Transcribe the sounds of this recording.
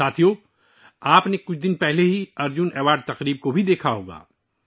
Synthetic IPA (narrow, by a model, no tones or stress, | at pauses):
aːt̪ʰijoː | aːpnekʊt͡ʃʰd̪ɪnpɛɦleɦiɐɾd͡ʒʊnɛːʋaːɾɖt̪ɐqɾiːb̚kobʱid̪eːkʰaɦo̰ːɡa̰ː